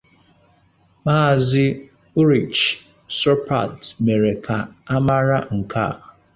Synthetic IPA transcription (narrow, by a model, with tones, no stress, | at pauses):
ma˦˨zɪ˦ | u˦ɾi˨t͡ʃ | sɔ˦pa̰˨tme˨ɾe˨kʰa˨a˦ma˦ɾa˦ŋ̩˨kʰa̰˦˨